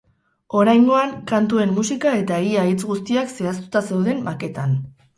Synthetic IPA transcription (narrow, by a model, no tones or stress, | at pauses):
o̞ɾajŋɡo̞aŋkant̪ue̞mːusikae̞t̪aiait͡sɣust̪iakse̞as̬t̪u̥t̪ase̞wðe̞mːake̞t̪an